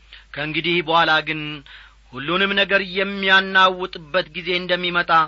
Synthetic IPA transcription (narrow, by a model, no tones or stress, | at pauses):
kʰəɨŋɡɨd̪ihbəhalaɡɨn | hulːunɨmnəɡəɾjɛmːijanːawːɔt̪ʼɨbːət̪ɡize̞ɨnd̪əmːimət̪ʼa